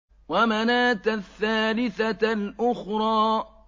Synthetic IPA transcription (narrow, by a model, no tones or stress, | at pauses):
wamanaːt̪aθːaːlɪθalʔʊxɾˤɑː